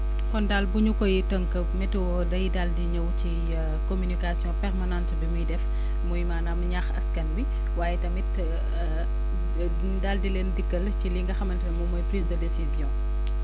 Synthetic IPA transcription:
kɔndaːlbuɲukɔjitəŋkəpmɛtwɔdɐjidaldiɲɐwci | komynikasjɔ̃pɛrmanãntbimujdɛf | mujmaːnamɲaxɐ̰skɐnbi | waːjɛtɐmit | daldilentikːɐlciliŋɡɐxɐmɐntɐmɔmɔjpɾiːsdədesizjɔ̃ː

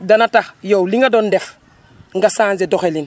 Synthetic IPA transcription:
danatajowliŋɡadondef | ŋɡasãːnzedoxelin

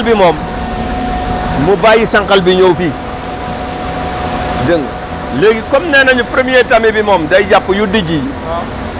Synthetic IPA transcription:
lbimom | mubajisaŋkalbiɲofi | dəŋ | leɡikomnenaɲupɾemijetamibimomdad͡ʒapːujudid͡ʒi

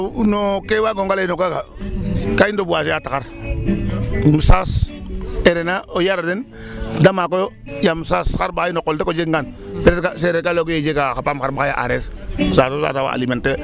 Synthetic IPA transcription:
unokewaɡoŋɡalainokakakaindobuasejatakaɾ | musas | eɾenaojaɾaden | damakojo | jamsasxaɾbaajinokːoltekod͡ʒeŋɡan | peɾkaseɾekalokojed͡ʒekaxapamxaɾbakaja̰ʔa̰ɾeɾsasosa̰tawa̰a̰imente

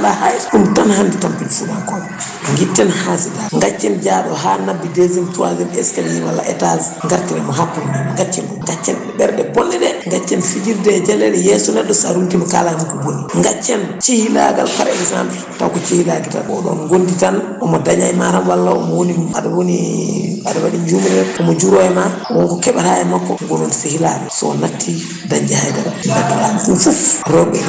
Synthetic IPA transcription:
lahajumtanhanditampinifuɗankɔm | ŋɡitːɛnhasidaŋɡat͡ʃːɛnd͡ʒaɗɔɦanabːidezint͡ʃuwa̰zɛnɛskaliiwalːa̰ʔɛtazŋɡaɾtɛnɛmɔɦakːundiŋɡat͡ʃːɛnɗɔŋɡat͡ʃːɛ̰nɗɛɓɛɾɗɛbɔnːɛɗɛŋɡat͡ʃːɛnfid͡ʒiɾdɛd͡ʒɛlːɛɗɛjɛsɔnɛɗːɔsaɾuntimɔka̰lahamkubonːiŋɡat͡ʃːɛnt͡ʃihila̰ɡa̰lkaɾɛnisa̰mɛ | ta̰kɔt͡ʃihilaɡita̰ɔɗɔ̰nɡonditan | ɔmɔdaɲajmaɾamwalːaɔ̰mɔwoniadawoniadawaɗiɲd͡ʒumɾɛtɔmɔd͡ʒuɾɔɛmawɔŋkɔkɛɓatajɛmakːɔɡɔnɔnsihilaɡɛsɔ̰natːi | daɲd͡ʒɛhajdadanatːiaɗunfufɾɔbɛ

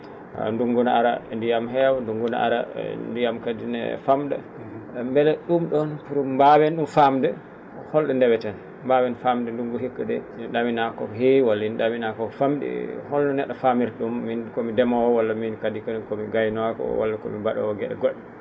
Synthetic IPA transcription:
nduŋɡunaaɾandijamɦɛwɔnduŋɡuna̰a̰ɾa̰ndijamkadinɛ̰famɗa̰ | mbɛlɛɗumɗɔnkuɾumbawɛnɗumfamdɛ | hɔlɗɛndɛwɛtan | mbawɛnfamdɛnduŋɡuɦikːadɛinɗaminakɔɦiwalːainɗaminakɔfamɗḭhɔlɗɔnɛɗafamiɾɗumːinkɔmidɛmawɔwalːaminkadikankɔmiɡajnakɔ̰wa̰lːakɔ̰mibaɗɔ̰wɔɡɛɗɛ̰ɡɔɗːɛ

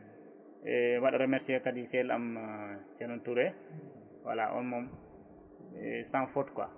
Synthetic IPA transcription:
ʔɛwaɗaɾɛmɛɾsiakadisɛla̰mt͡ʃɛnɔntuɾɛ | wa̰la̰ʔɔ̰nmɔm | ɛsanfɔtkwa̰

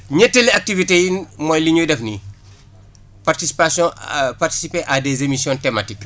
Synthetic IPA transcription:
ɲɛtːeliɐk̚tivitejinmɔːjliɲujdɛfni | partisipasjɔ̃parti̥sipeʔadezemisjɔ̃ntɛmatik

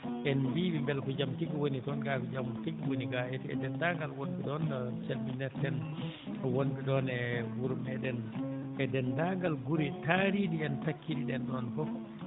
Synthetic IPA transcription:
ʔɛnbibimbɛlkɔd͡ʒamtiɡwonitɔnɡakɔd͡ʒamutikːwoniɡaʔɛtiɛ̰dɛndaŋɡalwonbiɗɔndat͡ʃalbinɛɾtɛn | wondiɗɔnɛwuɾumɛɗɛnʔɛdɛndaŋɡalɡuɾitaɾidiɛntakʰːiɗiɗɛnɗɔnkɔ

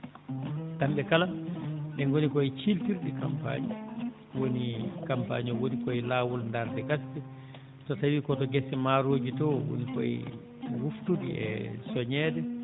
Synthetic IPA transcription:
tamɓɛkalaɗɛnɡonikɔɛt͡ʃilpiɾɗika̰mpa̰ːɲḭ | wonikampa̰ːɲɔwonikɔɛlaːwulndaɾtɛɡastɛ | tɔtawikɔtɔɡɛsɛmaɾod͡ʒitɔwo̰nikɔ̰ɛ̰ | wuftudḭɛ̰sɔɲɛːdɛ

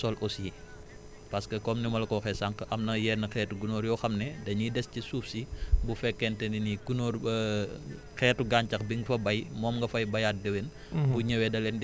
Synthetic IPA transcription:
sɔlʔɔsji | pɐskɐkɔmnimɐlɐkɔxɛsaŋkʔɐmnɐjɛːrnɐxɛːtuɡunoːɾjɔxɐmnɛdɐɲudɛscisuːfsibufɛkːɛntɛninikunoːɾ | xɛːtuɡaɲcɐxbiŋɡfɐbɐjmɔːmŋɡɐfɐjbɐjat̚dɐwen | buɲɐwɛdɐlɛnd

